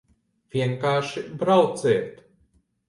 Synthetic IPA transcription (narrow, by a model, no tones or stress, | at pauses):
vʲjɛŋkaːʃibɾawt̪sɛːt̪